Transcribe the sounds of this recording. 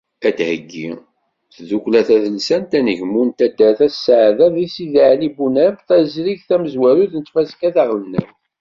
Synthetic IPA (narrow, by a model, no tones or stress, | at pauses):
æt̪həɡːḭ | θðuklæθæðənsænt̪ænəʝmunt̪æd̪ːæθæsːʕðæðisiðʕlibunæmθæzɾiʝθæməzwæɾuðnət̪ːfæskæθaʁlənːəw